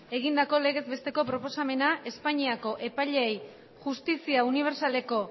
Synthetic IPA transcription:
e̞ɣ̞ind̪ako̞le̞ɣ̞e̞zbe̞st̪e̞ko̞pɾopo̞same̞naʔe̞spaɲiako̞ʔe̞paʎeej | ʝust̪isiauniβ̞e̞ɾsale̞ko̞

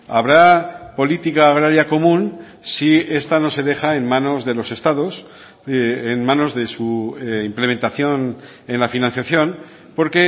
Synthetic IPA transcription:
aβ̞ɾapo̞lit̪ikaːɣɾaɾjako̞mũn | sie̞st̪ano̞se̞ðe̞xae̞nmãno̞zðe̞lo̞se̞st̪aðo̞s | enmãno̞zðe̞suimple̞mẽnt̪aθjo̞n | e̞nlafinãnθjaθjo̞n | po̞ɾke̞

